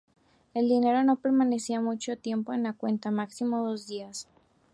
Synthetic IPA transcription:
e̞ld̪ine̞ɾo̞no̞pe̞ɾmane̞siamut͡ʃo̞t̪je̞mpo̞enlakwe̞nt̪amaksimo̞ðo̞zðias

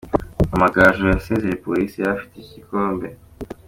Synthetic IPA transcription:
amaɡaːʒojaseːzejepolisijafi̥tecikoːmbe̞

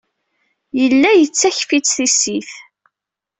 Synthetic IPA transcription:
jəlːæjət͡sːæçfit͡sːθisiθ

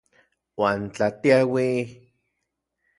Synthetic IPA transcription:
waːnt͡ɬat̪iawi

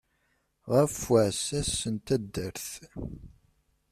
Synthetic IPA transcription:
ʁəfəʕsæsːənt̪æd̪ːəɾθ

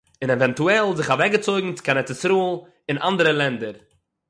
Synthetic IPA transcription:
ɪnɛvɛntuɛlˠzɪχavɛɡət͡soɪɡŋ̩t͡sɪ̥kanɛtɛsɾuːlˠ | ɪnʔa̰ndəɾəlˠɛndəɾ

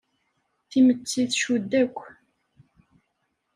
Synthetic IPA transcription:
θimət͡sːiθʃud̪ːækʷː

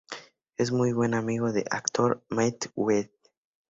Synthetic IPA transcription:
ezmujβwenamiɣoðḛʔa̰kt̪oɾmajt̪wet̪̚

